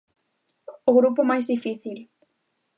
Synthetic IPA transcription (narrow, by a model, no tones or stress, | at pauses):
ʊɣɾup̬ʊmajzðifiθil